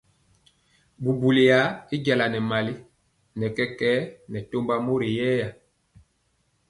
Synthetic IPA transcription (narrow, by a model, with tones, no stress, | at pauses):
bu˨bu˨li˨ja˨˦i˦ɟa˨la˨nɛ˨ma˨li˦ | nɛ˨kɛ˦kɛ˦nɛ˨to˦mba˦mo˦ɾe˨jɛː˦ja˨